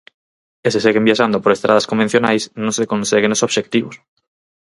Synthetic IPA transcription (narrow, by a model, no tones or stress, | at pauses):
eseseɣembjiaʃ̬and̪opoɾest̪ɾað̞askombẽn̟θjonajsnõnsekõnseɣ̞enosoβʃek̚t̪iβos